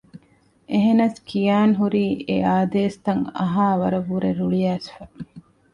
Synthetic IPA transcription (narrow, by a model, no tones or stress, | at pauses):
ʔeɦenɐskʰijaːnɦuɾiːeaːd̪eːst̪ɐŋɐ̰ɦaːʋɐɾɐʋuɾeɾuɭijæːsfæ